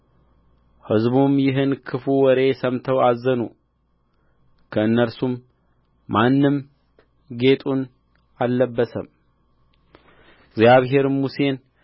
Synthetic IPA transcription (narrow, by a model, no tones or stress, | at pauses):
hɨzbumjɪɦɨnkʰɨfuwɔɾe̞səmt̪ʰəwazənu | kʰəɨnːəɾsumː | anːɨm | ɡe̞t̪ʼun | alːəbːəsə̰m | ɡzjaβɦe̞ɾmuse̞n